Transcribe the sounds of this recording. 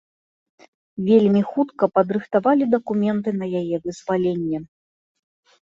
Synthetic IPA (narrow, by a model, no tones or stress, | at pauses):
vʲelʲmʲixut̪kɐpɐd̪ɾɨxt̪avalʲid̪ɐkumʲɛnt̪̬ɨnɐjajɛvɨzvalʲenʲːɛ